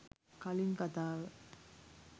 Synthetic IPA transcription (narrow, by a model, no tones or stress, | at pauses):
kaliŋkat̪aːʋə